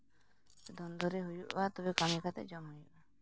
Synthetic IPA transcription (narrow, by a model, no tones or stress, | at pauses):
sed̪ɔnd̪ɔɾeɦojuʔbat̪ɔbekamikat̪ḛd͡ʒɔmɔja